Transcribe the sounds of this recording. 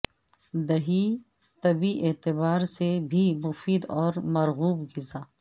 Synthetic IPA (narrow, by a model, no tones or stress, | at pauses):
d̪ɐɦi | t̪ɐbiʔeːt̪ɪbaːɾsebʱimʊfiːd̪ɔːɾmɐɾɣuːbɡɪzaː